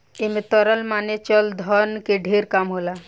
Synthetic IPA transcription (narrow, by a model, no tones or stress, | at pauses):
emet̪ɔɾəlmanet͡ʃəld̪ʱənkeɖʱeɾkamɦola